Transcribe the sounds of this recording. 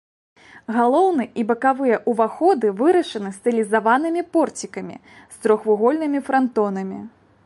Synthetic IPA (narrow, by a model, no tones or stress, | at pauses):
ɣalˠɔwnɨʔibɐkavɨjɛʔuvaxɔd̪ɨvɨɾɐʂɐnɨst̪ɨlʲizavanɨmʲipɔrt͡sʲikɐmʲḭ | st̪ɾɔxvuɣɔlʲnɨmʲifɾant̪ɔnɐmʲḭ